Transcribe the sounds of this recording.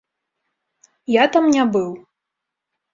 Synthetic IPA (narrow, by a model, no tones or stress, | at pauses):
jat̪amnʲabɨw